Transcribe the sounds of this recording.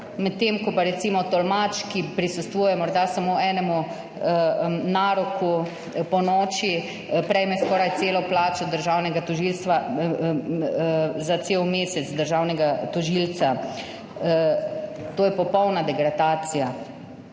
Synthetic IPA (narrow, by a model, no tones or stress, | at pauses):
mɛt̪ːeːmkɔpaɾɛt̪simɔt̪ɔlmat͡ʃkipɾisust̪ʋuːjɛmɔɾd̪asamoːɛːnɛmu | naːɾɔku | pɔnɔːt͡ʃi | pɾɛjmɛskɔːɾajt̪seːlɔplaːt͡ʃɔd̪əɾʒaːwnɛɡat̪ɔʒilst̪ʋa | zat̪seːwmeːsɛd̪əɾʒaːwnɛɡat̪ɔʒilt̪sa | t̪oːjɛpɔpɔwnad̪ɛɡɾad̪aːt̪sija